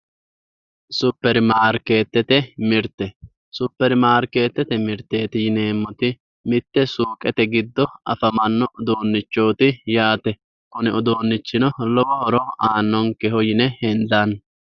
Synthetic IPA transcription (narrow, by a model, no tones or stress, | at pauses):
sʊpːɛɾɪmaːɾke̞ːt̪ːɛt̪ɛmɪɾt̪ːɛ | sʊpːɛɾɪmaːɾke̞ːt̪ːɛt̪ɛmɪɾt̪ːe̞ːt̪ɪjɪneːmːɔt̪ɪ | mɪt̪ːɛsuːkʼɛt̪ɛɡɪd̪ːɔɐfɐmɐnːɔd̪oːnːɪt͡ʃːo̞ːt̪ɪjaːt̪ɛ | kʊnɪɔd̪oːnːɪt͡ʃːɪnɔlɔwɐɔɾɔaːnːɔŋkɛhɔjɪnɛhɛnd̪an